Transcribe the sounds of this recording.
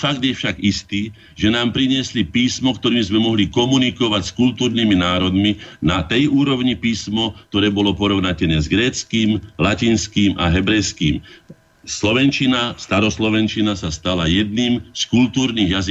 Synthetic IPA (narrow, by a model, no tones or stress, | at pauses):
faɡd̪jɛfʃaɡist̪iː | ʒɛnaːmpɾiɲɪɛslipiːsmɔkt̪ɔɾiːmzmɛmɔɦlikɔmunikɔʋacskult̪uːɾniminaːɾɔd̪minat̪ɛjuːɾɔʊɲipiːsmɔk̚t̪ɔɾɛːbɔlɔpɔɾɔʊnacɛnɛːzɡɾɛːt͡skiːmlaciːnskiːmʔa̰ɦɛbɾɛjskiːm | slɔʋɛnt͡ʃinast̪aɾɔslɔʋɛnt͡ʃinasast̪alajɛd̪niːmskult̪uːɾniɣjazi